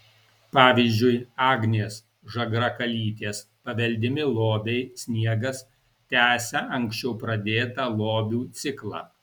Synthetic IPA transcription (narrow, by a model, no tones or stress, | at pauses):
pɑːʋʲiːzʲd͡ʒʲʊɪɑːɡnʲeːs | ʒɐɡɾɐkɐlʲiːt̪ʲeːspɐʋʲɛlʲd̪ʲɪmʲɪlˠoːbʲɛɪsʲnʲiɛɡɐs | t̪ʲæːsʲɛʔɐŋʲksʲt͡ʃʲɛʊpɾɐd̪ʲeːt̪ɑlˠoːbʲuːt̪sʲɪklˠɑ̰ː